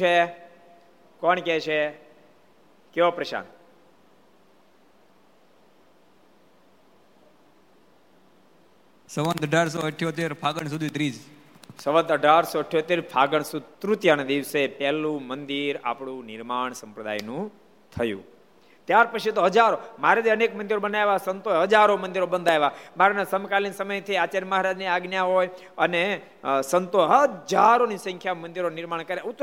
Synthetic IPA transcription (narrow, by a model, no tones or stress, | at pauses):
e | kɔɳkɛt͡ʃʰe | keopɾəʃa̰n | səʋə̃nd̪əɖʱaɾsoəʈʰːjot̪eɾpʰaɡəɳs̬ud̪ʱit̪ɾiːs | səʋə̃nd̪əɖʱaɾsɔːʈʰjot̪eɾpʰaɡəɳsut̪ɾut̪jand̪iʋsepɛɦlũmənd̪iɾa̰pɽ̃ũnɪɾmaɳsəmpɾəd̪a̰jnũ | t̪ʰəjṵ̃ | t̪jaɾpət͡ʃʰit̪oɦəd͡ʒaɾomaɾet̪iənekmənd̪iɾobənajʋasənt̪oɦəd͡ʒaɾomənd̪iɾobənd̪ʱaeʋamaɾenasəmkalinsəməjt̪ʰəiat͡ʃaɾməɦaɾad͡ʒniaɡnjaɦoj | əne | sənt̪oɦəd͡ʒaɾonisə̃ŋkʰjamənd̪iɾonɪɾmaɳkəɾjaut̪